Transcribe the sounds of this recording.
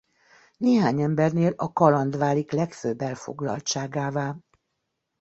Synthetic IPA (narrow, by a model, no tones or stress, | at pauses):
neːɦaːɲɛmbɛrneːlɒkɒlɒnd̪ʋaːliklɛkføbːɛlfo̞̰ɡlɒ̰lt͡ʃaːɡaːvaː